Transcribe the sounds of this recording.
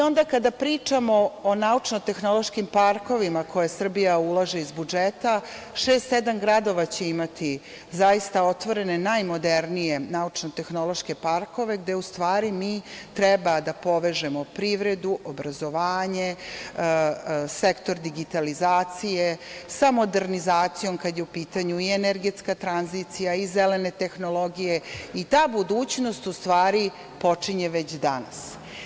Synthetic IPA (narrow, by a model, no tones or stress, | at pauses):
io̞nd̪akad̪apɾiːt͡ʂamoonaut͡ʂnot̪e̞xno̞lˠo̞ʃkimpaɾko̞ʋimakʰo̞jesr̩bijaulˠaʒeizbud͡ʒet̪a | ʃeːst̪sed̪amɡɾad̪o̞ʋat͡ɕeimat̪i | zajist̪ao̞t̪ʋo̞ɾe̞ne̞najmo̞d̪eɾnije̞naut͡ʂnot̪e̞xno̞lˠo̞ʃke̞paɾko̞ʋe̞ɡd̪e̞ust̪ʋaːɾimiːt̪ɾɛbad̪apo̞ʋeʒemo̞pɾiʋɾe̞d̪uʔobɾazo̞ʋaːɲe̞ | sekt̪o̞ɾd̪iɡit̪alizaːt̪sijesamo̞d̪eɾnizaːt̪sijo̞mkad̪jeupiːt̪aɲuieneɾɡet̪skat̪ɾanzit̪sijaizelene̞t̪e̞xnolˠo̞ɡije̞it̪aːbud̪uːt͡ɕnost̪ust̪ʋaːɾi | po̞t͡ʂiɲeʋet͡ɕd̪ana̰s